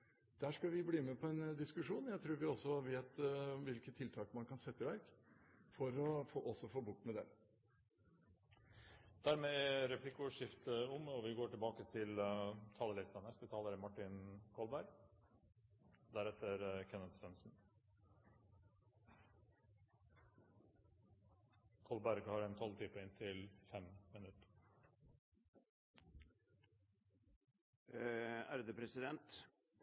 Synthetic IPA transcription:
d̪̥æːʂkɑʋɪbliːmɛpʰɔɛnd̪ɪskʉʂuːnjæɪt̪ʰɾʉːɾʋɪɔsːɔʋeːt̪ʋɪlkət̪ʰːɪlt̪ʰɑːkmɑnkʰɑnsɛt̪ːəʋæɾkfɔɾɔfoːʔɔsːɔfoːbʊʈːmɛd̪ɛ̰ | d̪̥æɾmeːɛɾɛpʰlɪkːəʊʂɪft̪əʊmɔʋɪɡoːʈɪlbɑːkət̪ʰɪlt̪ʰɑːləlɪst̪ɑnɛsət̪ʰɑːləɾmɑʈːɪnkʰɔlbæɾɡ | d̪æɾɛt̪əɾkʰɛnəd̪sʋɛnsn̩ | kʰɔlbæɾɡhɑɾɛnt̪ʰɔlt̪ʰɪːpəɪnt̪ʰɪlfɛmmɪnʉt̪ | æ̰ɾd̪əpʰɾɛsɪd̪ɛnt̪

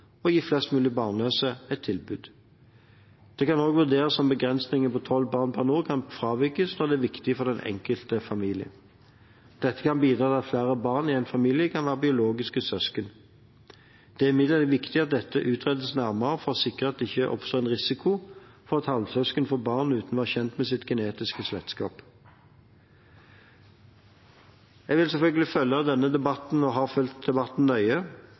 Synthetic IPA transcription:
ɔjiːflɛst̪mʉːlɪbɑːʁnøːsəɛt̪ʰːɪlbʉːd̪ | d̪̥ɛkɑnoːɡʋʉʁd̪eːʁəsɔmbəɡʁɛnsnɪŋəpɔt̪ʰɔlːbɑːʁnpʰɑʁnuːkʰɑnfʁɑːʋɪkəsnɔʁd̪ɛæʋɪkt̪ɪəfɔʁd̪ɛnʔɛ̰ŋkəlt̪əfɑmiːlɪə̰n | d̪̥ɛt̪ːəkɑnbiːd̪ɾʁɑːt̪ʰɪɑt̪flæːʁəbɑːʁnɪæɪnfɑmiːljəkʰɑnʋæːʁəbɪʊloːɡɪskəsœskən | d̪̥ɛæʁɪmɪd̪ləd̪ɛʋɪkt̪ɪɑt̪̚d̪ɛt̪ːəʔʉːt̪ʰʁɛd̪əsnæʁməʁəfɔʁɔsɪkʁəɑt̪̚d̪ɛɪçːəʔɔ̰pst̪oːæɛnʁɪsɪkʰʊfɔʁɑt̪hɑlsœskənfɔbɑːʁnʉːt̪nʋɑːçɛnt̪mɛsɪt̪ɡɛneːt̪ɪskəslɛt̪skɑːp | jæɡʋɪlsɛlfœlɡəlɪfœlːəɑd̪ɛnːəd̪ɛbɑt̪n̩ɔɦɑːfœlt̪̚d̪ɛbɑt̪n̩nœʏə

